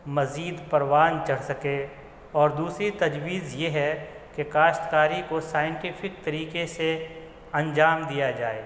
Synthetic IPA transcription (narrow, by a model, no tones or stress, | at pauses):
mɐziːd̪pɐɾwaːnt͡ʃɐɽ̤sɐke | ɔːɾd̪uːsɾit̪ɐd͡ʒwiːzjeɦɛ | kekaːʃʈ̪kaːɾikosaːjɪ̃ɳʈipʰɪk̚t̪ɐɾiːkese | ɐ̃nd͡ʒaːmd̪ijad͡ʒaːeː